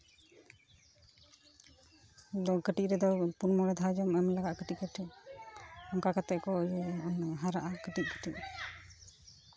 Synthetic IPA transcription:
d̪ɔkəʈic̚ɾɛd̪ɔpuɾmɔɾɛd̪ʱad͡ʒɔmɛmlaɡaʔkəʈiʔ̚kəʈʰɛʔ | ɔŋkakat̪ɛʔ̚kɔjɔjɔɔnɦaɾaʔakəʈic̚kə̥ʈiʔ̚

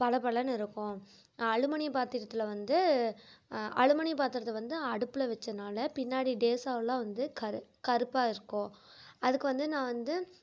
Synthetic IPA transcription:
pɐlɐpɐɭɐnɪɾɯkːõ | ɐɻɯmɐnipaːɾt̪iɾɐt̪ːɯlɐʋɐnd̪ɯ | ɐ̰ɻɯmɐnipaːɾt̪ɯɾɐðʋɐnd̪ɯɐɽɯpːɯlɐʋɛt͡ʃːɐnaːlɐpɪnːaːɽiɖeːsaːʋɐlãːʋɐnd̪ɯkɐɾɯkɐɾɯpːaːɪɾɯkːõː | ɐðɯkːɯʋɐnd̪ɯnãːʋɐnd̪ɯ

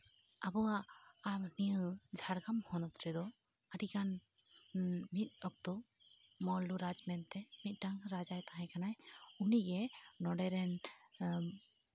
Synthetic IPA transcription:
abɔwaʔamniəd͡ʒʱaɽɡamhɔnɔt̪ɾɛd̪ɔ | əɖikan | mit̪̚ˀɔk̚t̪ɔ | mɔluɾad͡ʒmɛnt̪ɛmit̪̚ˀʈaŋɾad͡ʒajt̪aɦɛ̃kanajuniɡɛnɔɖɛɾɛn

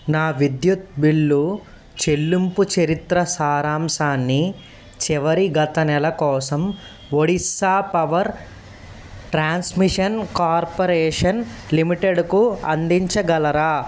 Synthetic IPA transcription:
naːʋid̪jut̪̚biɭːu | t͡ʃelːumput͡ʃɐɾit̪ɾɐsaːɾaːmsaːnːi | t͡ʃɛʋɐɾiɡɐt̪ɐnɛlɐkɔːsɐm | ʋoɽisaːpɐʋɐɾ | ʈɾaːnsmiʂɐnkaːɾpɐɾɛːʂɐnlimiʈeɖkuɐ̰nd̪iɲt͡ʃɐɡɐlɐɾaː

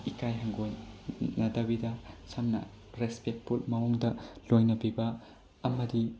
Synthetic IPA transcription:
ikajɦɐŋɡojnɐdɐbidɐsɐmnɐ̰ | ɾespek̚pʰulmɐwuŋdɐlojnɐbibɐ | ɐmɐdi

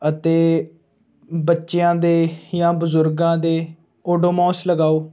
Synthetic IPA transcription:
ət̪eː | bətːʃjãːd̪eːjãːbəzʊɾɡãːd̪eː | oːɖoːmɔːsləɡaːoː

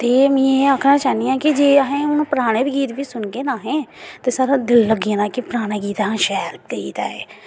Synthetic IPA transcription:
t̪eːmɛ̃ːeːaːkʰnaːt͡ʃaːnijãːkɪd͡ʒeːəɦẽːʊnːpəɾaːɽ̃eːbɡiːt̪biːsʊnɡeːnaːɦẽːt̪eːsaːɾãːd̪ɪlːəɡãːnãːkɪpɾaːɽ̃aːɡiːt̪aɦãːʃɛːɾkəḭːt̪a̰ːḛː

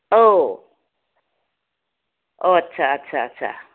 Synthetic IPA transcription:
o | ʔoatːt͡ʃʰaatːt͡ʃʰaatːt͡ʃʰa̰

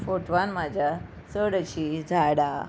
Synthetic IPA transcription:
foʈʋanmad͡ʑʱja | səɽɕid͡zʱaɽa

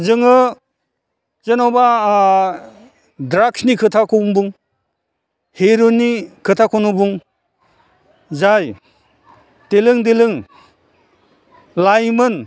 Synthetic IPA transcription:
zɯŋɯ | zenawba | dɾaksnikʰɯtʰakʰombuŋ | heɾonːikʰɯtʰakʰonubuŋ | zaj | telɯŋdelɯŋ | lajmɯn

